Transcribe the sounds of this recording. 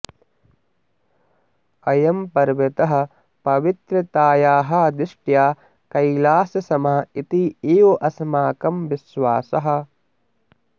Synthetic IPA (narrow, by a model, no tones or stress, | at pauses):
ɐjɐmpɐɾʋet̪ɐɦɐ̆ | pɐʋit̪ɾɐt̪aːjaːɦɐ̆ɐd̪ɪʂʈjaː | kɐjlaːsjɐsɐmɐɦɐit̪ieːʋoʔɐsmaːkɐmʋisʋaːsɐɦɐ̆